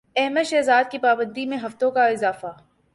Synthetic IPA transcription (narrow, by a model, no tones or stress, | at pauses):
ɛɦməʃɛːzaːd̪̚kipaːbə̃nd̪imẽɦɐft̪õkaɪzaːfa